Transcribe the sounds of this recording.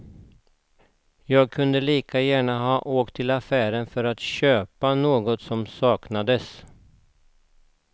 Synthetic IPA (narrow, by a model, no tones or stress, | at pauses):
jɑːɡ̚kʰɵnd̪əliːkʰajæːɳaɦɑːʔoːkt̪ʰːɪlafæːɾənfœɾat̪ɕøːpanoːɡɔt̪sɔmsɑːknad̪əs